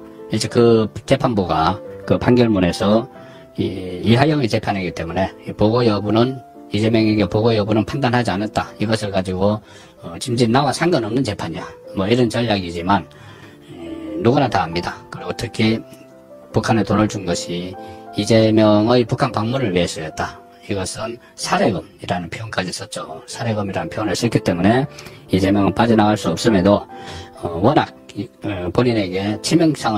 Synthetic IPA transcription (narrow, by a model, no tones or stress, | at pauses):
it͡ɕʰekɯt͡ɕe̞pʰanbuɡakɯpaŋɡjʌɭmune̞sʰʌ | iiɦajʌŋit͡ɕe̞pʰanɦeɡit͈e̞mune̞ipoɡojʌbunɯn | id͡ʑe̞mjʌŋeɡepoɡojʌbunɯnpʰandanɦad͡ʑianat̚t͈aiɡʌsʰɯɭkad͡ʑiɡo | t͡ɕimd͡ʑinːawasʰaŋɡʌnʌmnɯnt͡ɕe̞pʰaɲijamʌiɾʌnt͡ɕʌʎːaɡid͡ʑiman | uɡunataɦamɲidakɯɾiɡotʰɯkʰi | pukʰanetonɯɭd͡ʑunɡʌɕʰiːd͡ʑemjʌŋʌipukʰanpaŋmunɯɭɥies͈ʌjʌt̚t͈a | iɡʌsʰɯn | sʰaɾe̞ɡɯmiɾanɯnpʰjoonk͈ad͡ʑis͈ʌt̚t͡ɕ͈osʰaɾe̞ɡɯmiɾanɯnpʰoones͈ʌkʰit͈e̞mune̞id͡ʑe̞mjʌŋɯnp͈ad͡ʑinaɡaɭs͈uʌp̚s͈ɯmedo | wʌnak̚poɲine̞ɡe̞t͡ɕʰimjʌŋs͈ʰaŋ